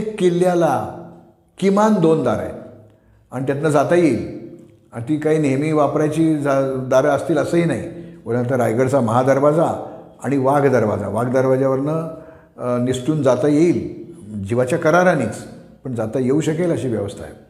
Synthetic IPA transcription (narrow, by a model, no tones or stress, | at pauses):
ekːilːjala | kimand̪ond̪aɾa̰j | aɽ̃it̪̬jat̪nad͡zat̪ajeiːl | ant̪iːkaɦiːnemiːʋapɾajt͡ɕiːd͡zad̪aɾaəst̪iːləsəɦinaɦḭoɽnat̪̬aɾajɡəɽt͡saməɦad̪əɾʋad͡za | aɽ̃iʋaɡd̪əɾʋa̰d͡za̰ʋaɡd̪əɾʋad͡ʑjaʋəɾnə | nisʈuːnd͡zat̪ajeiːld͡ʑiʋat͡ɕjakəɾaɾaniːt͡s | pəɳd͡zat̪ajeuɕəkeləɕiːʋjəʋəst̪ʰa̰jḛ